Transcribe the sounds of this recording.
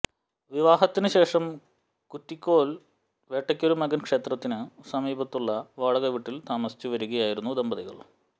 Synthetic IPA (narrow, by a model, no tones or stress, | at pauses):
ʋiʋaːɦɐt̪ːinɨɕe̞ːʂɐm | kutːikʲːo̞ːl | ʋeːʈːɐkʲːo̞ɾumɐɡɐnkʂe̞ːt̪rɐt̪ːinɨsɐmiːbɐt̪ːuɭːɐʋaːɭɐɣɐʋiʈːilt̪aːmɐsi̥t͡ɕːuʋɐɾuɣɐjaːjiɾunːud̪ɐmbɐðiɣɐ̰ɭ